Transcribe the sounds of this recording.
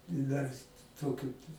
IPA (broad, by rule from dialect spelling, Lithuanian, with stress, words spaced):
ɪ dɐr ˈtoːkʲʊ